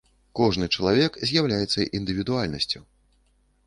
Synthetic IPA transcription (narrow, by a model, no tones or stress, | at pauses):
kɔʐnɨt͡ʂɐlˠavʲɛkzʲjawlʲajɛt̪sːɐʔind̪ɨvʲid̪ualʲnɐsʲt͡sʲu